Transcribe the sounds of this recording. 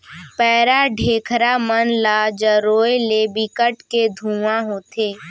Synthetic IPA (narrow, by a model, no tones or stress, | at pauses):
pɛːɾaɖʱeːkʰɾamənlad͡ʒəɾoːjlebɪkəʈked̪ʱũːʋãɦoːt̪ʰeː